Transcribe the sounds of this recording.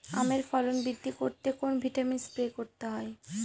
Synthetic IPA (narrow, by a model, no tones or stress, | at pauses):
a̰meɾfɔlonbid̪ʱːikoɾt̪ekonbʱiʈaminspɾekoɾt̪eɦɔe